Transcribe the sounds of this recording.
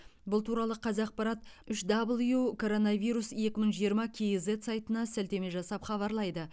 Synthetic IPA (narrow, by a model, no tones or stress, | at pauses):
bʊlˠt̪ʰuɾɑlˠəqʰɑzɑq̚pɑɾɑt̪ʏʃd̪ablˠjukʰo̞ɾo̞navʲijɾusje̞kʲɪməɴʒijəɾmɑkʲʰejze̞t̪sɑjt̪ənɑsælt̪e̞me̞ʒɑsɑpχɑβɑɾlˠɑjd̪ə